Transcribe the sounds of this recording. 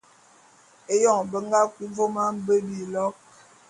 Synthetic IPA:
e˦jɔ˦˨ŋbə˦ŋ˦ɡa˦kwi˦vo˦ma˦m˦bə˦bi˨lɔ˦

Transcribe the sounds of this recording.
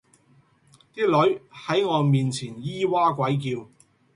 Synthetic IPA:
t̪iː˥lɵ˨˥ɥhɐ˨˥jŋɔː˨˧miː˨nt͡sʰiː˨˩njiː˥waː˥kʷɐ˨˥jk̬iː˧w

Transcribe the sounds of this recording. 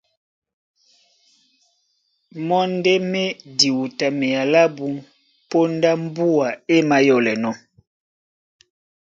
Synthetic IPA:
mɔ˦n˦dɛ˦mɛ˦di˨wu˨ta˨mɛ˨a˨la˦bu˦ | po˦nda˦m˦bu˦a˨e˦ma˨jɔ˨lɛ˨nɔ˦

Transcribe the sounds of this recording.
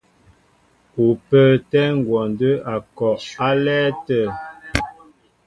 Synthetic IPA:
u˨pə˦tɛ˦ŋ̩˨ɡwɔ˨n˨də˦a˨kɔ˨ʔa˦lɛ˦tə˦˨

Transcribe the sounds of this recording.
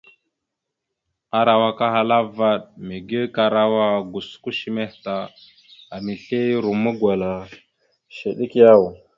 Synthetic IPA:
a˨ɾa˨wa˨ka˦ɦa˨la˦va˦ɗme˨ɡi˦ka˨ɾa˦wa˦˨ɡu˨sku˦ʃi˦me˦hta˨ | a˨mi˨ɬe˦ɾu˨mu˦ɡwa˨la˨ | ʃe˨ɗi˦kja˦˨w

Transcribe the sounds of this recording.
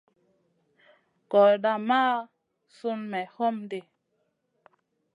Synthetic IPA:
kɔ˨ɗa˨maː˦ | su˦nmɛ˨ho˦mde˨

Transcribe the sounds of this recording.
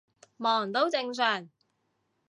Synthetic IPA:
mɔː˨˩ŋt̪o˥wt͡sɪ˧ŋsœː˨˩ŋ

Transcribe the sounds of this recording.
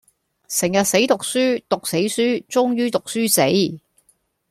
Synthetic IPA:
sɪ˨˩ŋjɐ˨t̚se˨˥jt̪ʊ˨k̚syː˥t̪ʊ˨k̚se˨˥jsyː˥t͡sʊ˥ŋjyː˥t̪ʊ˨k̚syː˥se˨˥j

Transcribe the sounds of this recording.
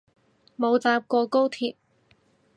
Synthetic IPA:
mo˨˧wt͡saː˧p̚kɔː˧ko˥wt̪ʰiː˧p̚

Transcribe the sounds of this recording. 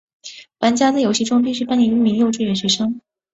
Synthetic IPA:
pa˧˥nt͡ɕja˥t͡sa˥˩ɪjo˧˥ʊɕi˥˧ʈ͡ʂʊ˥ŋp̬i˥˧ʂɻ̩˥˩pa˥nɛ˧˥y˥˩mi˧˥ŋjo˥˧ʊʈ͡ʂw̩u˥˩jɛ˨˩ɕɥɛ˧˥ʂɤ˥ŋ

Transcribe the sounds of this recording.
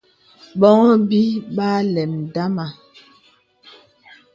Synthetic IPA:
ɓɔ˦ŋɔ˦bi˦ɓa˦lɛ˨mda˦ma˨

